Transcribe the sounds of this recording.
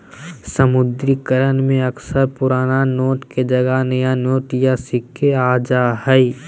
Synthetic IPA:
səmʊd̪ɾikəɾənmẽɐksəɾpʊɾaːnanoːʈked͡ʒɐɡanɐjanoːʈjasɪkʰːeaːd͡ʒaːɦɛi

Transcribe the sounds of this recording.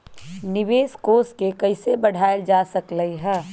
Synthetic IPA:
nɪʋeːskoːskekɐɪsebɐɽ̤ʱaːjld͡ʒaːsɐkləiɦɛː

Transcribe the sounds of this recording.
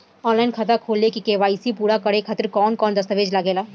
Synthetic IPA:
ɔːnlaɪnkʰɐt̪akʰoːlːekikeːʋaːisipuːɽakɐɽekʰaːt̪ɪɾkɔːnkɔːnd̪ɐst̪əʋeːd͡ʒlaɡeːlaː

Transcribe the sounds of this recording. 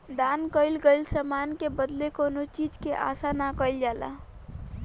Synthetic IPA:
d̪ankəɪlɡəɪlsamankebəd̪lekonot͡ʃid͡ʒkeʔa̰sanakəɪld͡ʒala̰

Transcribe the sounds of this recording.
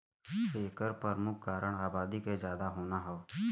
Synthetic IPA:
eːkəɾpəɾmʊkʰkaːɾəɽ̃aːbaːd̪iked͡ʒjaːd̪aɦoːnaɦɛo

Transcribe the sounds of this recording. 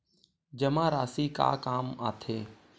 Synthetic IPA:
d͡ʒəmãːɾaːsiːka̰ːkaːmaːt̪ʰeː

